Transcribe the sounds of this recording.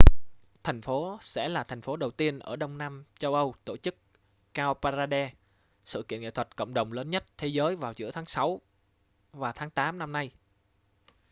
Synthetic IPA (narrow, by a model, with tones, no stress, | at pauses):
t̪ʰɛ˨˩jŋ̟fo˨˦sɛ̰˧˥laː˨˩t̪ʰɛ˨˩ŋ̟fo˨˦ɗə˨˩wt̪i˧ənʔəː˧˩ɗə˧wŋ͡mnaː˧mt͡ɕə˧wʔə˧wt̪o˧˩t͡ɕɨ˦˥k̚ː | aː˧paː˧zaː˧ɗɛ˧ | sɨ̰˧˨kḭ˧˨əŋḛ˧˨t̪ʰə˨˩t̚kə̰˧˨wŋ͡mɗə˨˩wŋ͡mləː˨˦nɲə˦˥t̚t̪ʰe˨˦zəː˨˦jvaː˨˩wzɨ̰˧˥ət̪ʰaː˨˦ŋsa˨˦w | vaː˨˩t̪ʰaː˨˦ŋt̪aː˨˦mna˧mna˧j